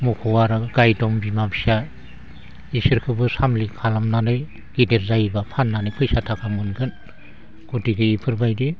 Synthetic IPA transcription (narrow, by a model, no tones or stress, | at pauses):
mukʰɔwaɾɯɡajdɔmbimabʰsa | isiɾkʰɯbɯsamlikʰalamnanɯj | ɡ̥ideɾzajbapʰanːanɯjpʰɯjsatʰakʰamɯnɡɯn | ɡ̥utiɡɯipʰɯɾbajdi